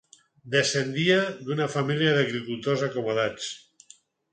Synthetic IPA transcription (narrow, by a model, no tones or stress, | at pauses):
d̪esend̪iaðunafamiliaðəɣɾikulˠt̪ozakomoð̞at͡s